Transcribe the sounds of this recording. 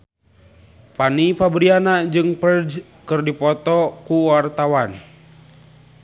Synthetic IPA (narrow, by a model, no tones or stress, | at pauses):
panipabɾianad͡ʒɨŋpərd͡ʒ | kɨrdipɔt̪ɔkuwart̪awan